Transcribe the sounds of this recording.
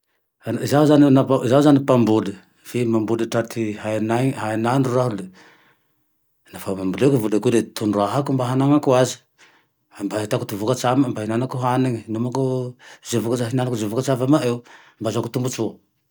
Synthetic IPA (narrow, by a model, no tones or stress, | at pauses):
zauzaninapazawzanipambulu | femambuliʈ͡ʂat̪ʰihanaɦaananruaɦule | nafamambulekuvulekulet̪unɾaɦakumbaɦanaŋakuazi̥ | ambaɦit̪aku̥t̪uvukat͡ʃamambaɦinanakuɦaniŋinumakuzevukaaɦinanakuzevukat͡ʃavamaʔew | mbazakut̪umbut͡ʃu